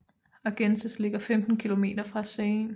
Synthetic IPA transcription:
ɑɡ̥ensəsle̝ɡ̥ɐfemd̥n̩kʰilo̝me̝̰ːd̥ɐfʁɑsen

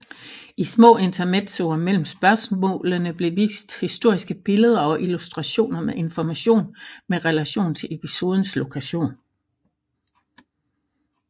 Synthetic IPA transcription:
ismɔ̰̽ːe̝nt͡sʰɐmed̥soɐmel̰m̩sb̥ɶɐsmɔ̰̽ːlənəb̥le̝ʋḭːsd̥hisd̥o̝ɐ̰isɡ̥əb̥e̝ləð̞ˠɐɒ̽ʔilusd̥ʁɑɕo̝̰ːnɐmeʔe̝nfɒmæɕo̝̰ːnmeʁɛlæɕo̝̰ːn̩t͡sʰe̝le̝pʰiso̝ːð̞ˠn̩slo̝kʰæɕo̝̰ːn

